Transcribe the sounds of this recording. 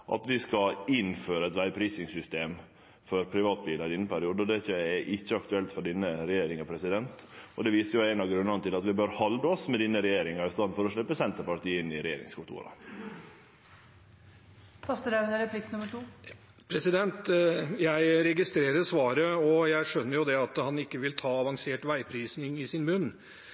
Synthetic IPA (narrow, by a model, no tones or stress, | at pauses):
ʔɑ̰t̪ʋɪskɑɪnføːɾəɛt̪ʋæɪpʰɾiːsɪŋsʏst̪eːm | fɔɾpʰɾɪʋɑːt̪̚biːlɑɾɪd̪ɪnːəpʰæɾɪuːd̪əɔd̪ɛçəɛʔɪçːəɑk̚t̪ʉɛlt̪fɔɖɪnːəɾɛjeːɾɪŋɑpʰɾɛsɪd̪ɛnt̪ʔɔd̪ɛʋiːsəɾjʊæɪnɑɡɾʉnːɑnət̪ɪlɑt̪ʋɪbøːɾhɑld̪əɔsmɛd̪iːnːəɾɛjeːɾɪŋɑɾɪst̪ɑnfɔɾɔʂɭɛpːəsɛnt̪əɾpɑʈ̪iːəɪnːɪɾɛjḛːɾɪ̰ŋskʰʊt̪ṵːɾɑ̰ | pʰɑsəɾæd̪əɾəpʰlɪk̚t̪nʊməʈʰuː | pʰɾɛsɪd̪ɛnt̪jæɪɾɛɡɪst̪ɾeːɾəɾsʋɑːɾəɔjæɪʂœnːəɾjʊd̪ɛɑt̪hɑnɪkːəʋɪlt̪ʰɑːɑʋɑŋseːʈʋæɪpʰɾiːsnɪŋɪsɪnmʉnː